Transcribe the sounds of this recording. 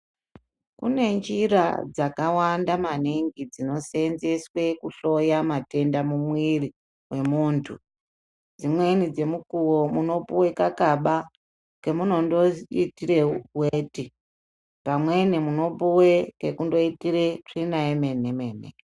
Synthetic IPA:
kṵne̞nd͡ʒiɾa̰d͡zakawandamaniŋɡid͡zino̞senze̞swe̞kuɬo̞jamate̞ndamumwiri | we̞muntʰu | d͡zimwe̞nid͡ze̞mukuwomuno̞puwe̞kakaɓa | ke̞muno̞ndoitireweːti | pamwe̞nemuno̞puwekekundo̞itire̞ʂinaeme̞ne̞me̞ːnḛ

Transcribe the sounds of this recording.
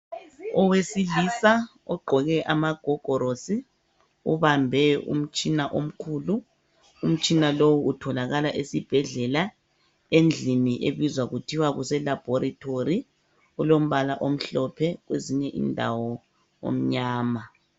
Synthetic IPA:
ɔwesilisa | ɔɡ͡ǃʱɔɣɛʔamaɡ̥ʱɔɡ̥ʱɔɾosi | ṵβambʱɛṵm̩t͡ʃʼinaʔom̩kʰuːlu | um̩t͡ʃʼinalowuʔːtʰɔlaɣalaʔesib̥ʱɛɮɛla | end͡ɮʱiniʔeβizwaɣutʰiwaɣusɛlab̥ʱoɾitʰori | ɣulom̩βalaʔom̩ɬɔpʰɛɣweziɲɛʔḭndʱawɔ | o̰m̩ɲaːma

